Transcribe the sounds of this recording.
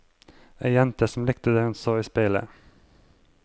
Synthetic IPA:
ʔæːjɛnt̪əsm̩lɪkt̪əd̪eːhʉnsoːiːspɪlə̰

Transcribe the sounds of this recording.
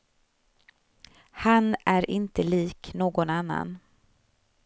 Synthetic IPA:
hanʔæɾʔɪnt̪əliːknoːɡɔnanːa̰n

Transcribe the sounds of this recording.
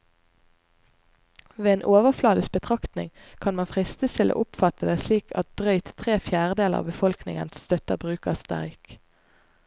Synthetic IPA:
ʋeːeːnʔoːʋəflɑːd̪əsbət̪ʰʁɑkt̪nɪ̰ŋ | kʰɑnmɑnfʁɪst̪əst̪ʰɪlo̰ʔʊpfɑt̪əd̪eːsliːkʰɑ̰t̪̚d̪̥ʁœʏt̪t̪ʰːʁeːfjæːʁəd̪eːləʁɑ̰ːbəfɔlknɪ̰ŋə̰nsst̪œt̪əbʁʉːkəʁst̪æ̰ʁk

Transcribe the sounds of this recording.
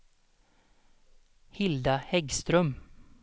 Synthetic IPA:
hɪld̪ɑhɛɡst̪ɾœm

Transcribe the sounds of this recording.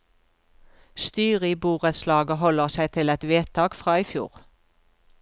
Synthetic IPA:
st̪yːʁiːbuːʁəslɑːɡəhɔləʁsæɪt̪ʰɪlɛt̪ʋeːt̪ʰɑːɡfʁɑːiːfjṵːʁ

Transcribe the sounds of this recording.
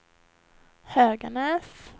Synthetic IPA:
høːɡanɛːs

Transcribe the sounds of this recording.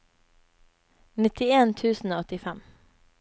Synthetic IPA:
nɪt̪ɪeːnt̪ʰʉːsn̩oːɔt̪ɪfɛm

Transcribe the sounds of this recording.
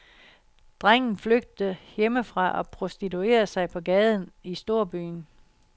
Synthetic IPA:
d̥ʁaŋ̰n̩fløɡ̥̚d̥əjeməfʁɑ̈ʔɒ̽pʰʁo̝sd̥it͡sʰue̝̰ːɐsɑ̈ɪpʰɒ̽ɡ̥ɛːð̞ˠn̩isd̥o̝ɐ̰b̥y̰ːn

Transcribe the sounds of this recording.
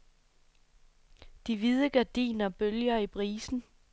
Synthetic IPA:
d̥iʋið̞ˠəɡ̥æd̥ḭːnɐb̥øljɐipʰʁiːsn̩

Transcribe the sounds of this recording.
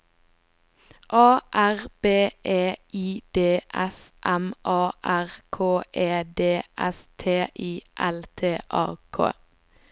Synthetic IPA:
ʔɑːʔæʁb̥eːʔeːʔiːd̪̥eːʔɛsʔɛmʔɑːʔæʁkʰoːʔeːd̪eːʔɛ̰st̪ʰeːʔiːʔɛlt̪ʰeːʔɑ̰ːkʰo̰ː

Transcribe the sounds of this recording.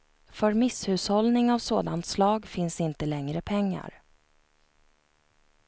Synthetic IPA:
fœɾmɪshʉ̟ːshɔlnɪŋavsoːd̪ant̪slɑːɡfɪnsɪnt̪əlɛŋɾəpʰɛŋːa̰ɾ

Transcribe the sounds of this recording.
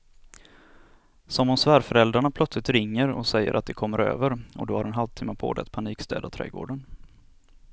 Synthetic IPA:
sɔmhʊnsvæːɾfœɾɛld̪ɾaɳapʰlœt̪slɪt̪ɾɪŋːəɾɔ̰sɛjːə̰ɾʔat̪̚d̪ɛkʰɔmːəɾø̰ːvəɾɔ̰d̪ohaɾɛnɦalvt̪ʰɪːmːapʰo̰ːd̪ɛ̰at̪̚pʰaniːkst̪ɛ̰ːd̪at̪ʰɾɛ̰ːɡo̰ːɖən

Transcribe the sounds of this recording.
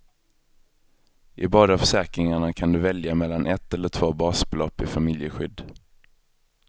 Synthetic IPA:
ʔɪ̰bɑːd̪afœ̥ʂɛːkɾɪŋaɳakʰand̪ɵvɛljamɛlːanʔɛt̪ːɛlːəʈʰv̥oːbɑːsblɔpːɪfamɪljəɧʏd̪ː

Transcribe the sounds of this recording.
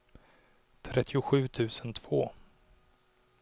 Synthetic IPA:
t̪ʰɾɛt̪ʰːɪʊɧʉ̟ːt̪ʰʉ̟ːsənt̪ʰv̥oː

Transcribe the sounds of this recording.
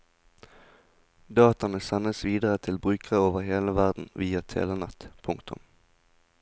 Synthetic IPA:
d̪ɑːt̪ɑnəsɛnəsʋiːd̪əʁət̪ʰɪlbʁʉːkəʁəoːʋəʁheːləʋæʁd̪n̩ʋiːɑt̪ʰḛːʋenɛt̪pʰʊŋkt̪ʰʊ̰m

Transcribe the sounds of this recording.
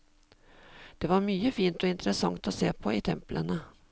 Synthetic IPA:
d̪̥ɛvaɾmyːəfiːnt̪ɔɪnt̪ɾɛsaŋt̪ɔseːpʰɔɪt̪ʰɛmplʔə̰ɳa

